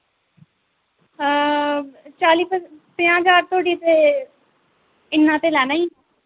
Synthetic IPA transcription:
t͡ʃaːliːpʰət̪ɪ̃ːãːd͡ʒaːɾt̪oːɽiːt̪eː | ɪnːãːt̪eːlɛːnaːiː

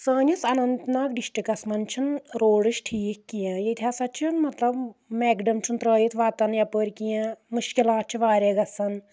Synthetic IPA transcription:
səːnisɐnɐnt̪naːkɖiʃʈikɐsmɐnt͡ʃʰunɾoːɽɨʃʈʰiːkːijãjet̪ʰjaːsɐt͡ʃʰunmɐt̪lɐbmeːɡɖɐmt͡ʃʰunt̪ɾəːjit̪ʰʋaːt̪ɐnjɐpəːɾʲkijãmuʃkilaːt̪̚t͡ʃʰiʋaːɾeːɡɐsɐn

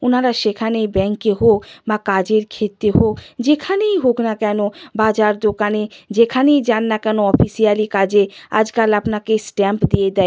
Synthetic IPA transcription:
onaɾaʃekʰanejbɛŋkeɦokbakad͡ʑeɾkʰet̪ːeɦokd͡ʑekʰanejɦoknakɛnobad͡ʑaɾd̪okaned͡ʑekʰanejd͡ʑanːakɛnoɔfisialikad͡ʑea̰d͡ʑkalapnakesʈɛmpd̪ied̪ɛ

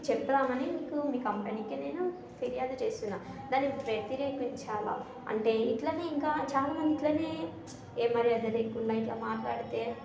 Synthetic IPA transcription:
t͡ʃɛpːɐnaːmɐnimiːkumiːkɐmpeniːkine̞ːnu | pʰiɾijaːd̪ut͡ʃeːst̪unːaː | d̪aːnːipɾet̪iɾeːkiɲt͡ʃaːla̰ː | ɐ̰ɳʈe̞ːiʈlɐːneiŋkaːt͡ʃaːlaːmɐnd̪iʈloːneː | eːmːɐɾiɐd̪ɐleːkːuɳɖaːiʈlaːmaːʈlaːɽit̪e̞ː

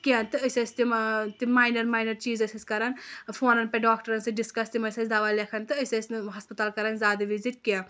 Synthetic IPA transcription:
kiɐ̃nt̪ɨɐsʲɐsʲt̪imt̪imaːjnɐɾmaːjnɐɾt͡ʃiːzɐsɐsʲkɐɾɐnfʰoːnɐnpɛ̃ɖaːkʈɐɾɐnsɨɖiskɐst̪imɐsɐsʲd̪aːʋaːlʲekʰɐnt̪ɨɐsɐsnɦɐspɐt̪aːlkɐɾɐnzaːd̪ɨʋiziʈkiã

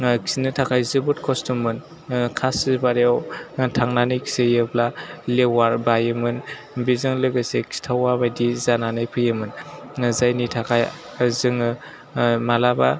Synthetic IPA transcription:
ksinɯtʰakʰajzɯbut̚kʰɔstumːɯn | kʰasibaɾawtʰaŋnanɯjkʰsejɯblalewaɾbajɯmɯn | bizɯŋlɯɡɯseksi̥tʰawabajdizananɯjpʰɯjɯmɯn | zajnitʰakʰaj | zɯŋɯ | malaba̰

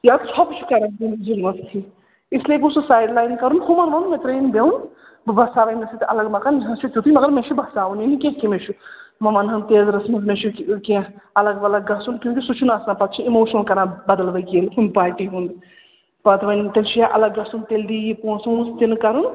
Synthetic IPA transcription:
jaːt̪t͡ʃʰɔːpt͡ʃʰu̥kɐɾand̪ind͡ʒilmɐt̪ʰt̪ʰi | isliekʲususaːjɖlaːjnkɐɾunhumɐnʋɐnmẽt̪ɾeːnbeun | bɨbɐsaːʋɐjnɐsit̪ʔɐlɐɡmɐkand͡ʒɦɐ̃t͡ʃʰuk̪ʲjut̪ʰimɐɡɐɾmẽt͡ʃʰubɐsaːʋuninikʲẽkimet͡ʃʰumɐmɐnɦɐnt̪eːzɾɐsmɐzmẽt͡ʃʰukẽɐlɐɡɐlɐɡːɐsunkʲjũːkʲisut͡ʃʰunɐsnãpɐt̪̚ʰt͡ʃʰiimoːʃnɐlkɐɾãbɐd̪əlʋɐkeːlɦund̪paːʈiɦũnd̪ | pɐt̪ʰʋɐnt̪elt͡ʃʰujaʔɐ̰lɐɡːɐsunt̪eld̪iːjipõːsũst̪inkɐɾun

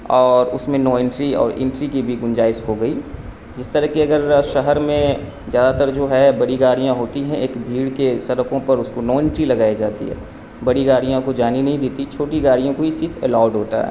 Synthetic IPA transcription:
ɔːɾʊsmẽnɔːɪ̃ɳʈɾiɔ̰ːɾʔɪ̰̃ɳʈɾikibʱiɡʊ̃nd͡ʒaːɪʃɦoɡɐiː | d͡ʒɪst̪əɾɐəɦkiɐɡəɾʃɐɦəɾmẽ | zjaːd̪at̪əɾd͡ʒoːɦɛbɐɽiɡaːɽijãɦoːt̪iɦɛ̃ʔeːkbʱiːɽkesɐɾəkõpɐɾʊskonɔːɪ̃ɳʈɾilɐɡaːid͡ʒaːt̪ḭɦɛ̰ː | bɐɽiɡaːɽijãkod͡ʒaːninɐɦĩd̪eːt̪it͡ʃʰoːʈiɡaːɽijõkoisɪɾfɛ̰laːɖɦoːt̪a̰ɦɛ̰ː

